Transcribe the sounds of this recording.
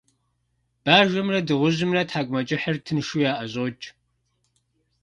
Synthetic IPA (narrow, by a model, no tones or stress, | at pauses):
b̥aːʒɨmrɐdɨʁʷʊʑɨmrɐtħaːkʷʼmɐt͡ʃʼɪħərtʰɨnʃujaːʔɐʑʼoːt͡ʃʼ